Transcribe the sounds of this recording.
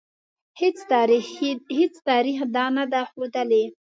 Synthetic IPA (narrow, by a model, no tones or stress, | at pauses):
het͡sɾhet͡st̪ɑɾixd̪ɑnad̪axod̪əle